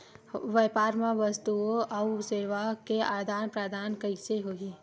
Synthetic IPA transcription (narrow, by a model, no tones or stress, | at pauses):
ʋɛːpaːɾmẽʋəst̪uoausɪɾʋakea̰ːɾd̪ʱaːnpɾad̪ʱaːnkəiseɦoːi